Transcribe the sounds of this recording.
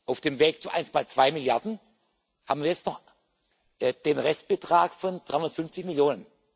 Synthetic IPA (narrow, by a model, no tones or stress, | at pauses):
ʔaʊfd̥eːmveːkt͡suʔa̰ɪnstmaːlt͡sv̥aɪmɪljaɐdn̩ | ha̰ːbm̩viɐjɛt͡stnɔχ | ʔɛd̥eːnʁɛst̚b̥ətʁ̥aːkfɔnd̥ʁaɪhʊndɐtfʏnft͡sɪçmɪljoːnən